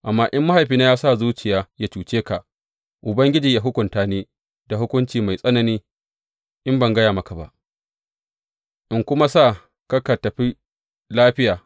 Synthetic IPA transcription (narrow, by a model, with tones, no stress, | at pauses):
ʔa˨mːaː˦ʔɪ˦mːa˦ha˨jɸiː˦na˦jaː˦saː˦˨zuː˦t͡ʃɪ˨jaː˦ja˦t͡ʃuː˨t͡ʃeː˦ka˨ʔ | ʔʊ˨bɐ˦ŋɡʲɪ˦d͡ʒiː˨jaː˦ɦʊ˦kʷʊ˨ntaː˦neː˦ | da˨ɦʊ˦kʷʊ˦nt͡ʃiː˨ma˨jsʼɐ˦nɐ˨niː˦ | ʔɪ˦mbɐ˨ŋɡɐ˦jaː˨mɐ˦ka˨ba̰˨ʔ | ʔɪ˦ŋkʷʊ˦ma˦saː˦˨ | ka˦ka˨tɐ˨ɸi˦ | laː˦ɸɪ˦jaː˨